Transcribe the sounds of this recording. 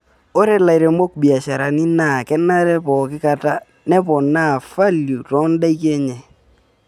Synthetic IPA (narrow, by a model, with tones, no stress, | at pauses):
o˦ɾe˨la˨iɾe˨mo˦k̚bi˨a˨ʃa˨ɾa˨ni˦na˦˨kɛ˦na˦ɾɛ˦pɔ˨kɪ˦ka˨ta˦ | nɛ˦pɔ˨na˦˨fa˦lju˨tɔ˨˦nda˦i˦kɛ˦ɲɛ˨